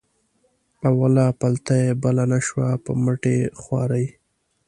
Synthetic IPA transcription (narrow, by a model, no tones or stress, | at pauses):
awalɑpalt̪ajebalanaʃwapə̰məʈexwɑ̰ɾaj